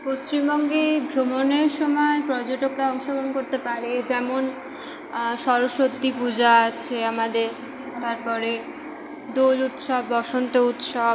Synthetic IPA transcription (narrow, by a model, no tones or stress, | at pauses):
post͡ɕimbɔŋɡebʱɾomoneɾʃɔmɔepɾɔd͡ʑoʈokɾaɔŋʃoɡɾonkoɾt̪epaɾed͡ʑɛmon | ʃɔɾoʃot̪ːipud͡ʑaat͡ɕʰeamad̪eɾ | t̪aɾpɔɾe | d̪olut̪ʃɔbːɔʃont̪out̪ʃɔ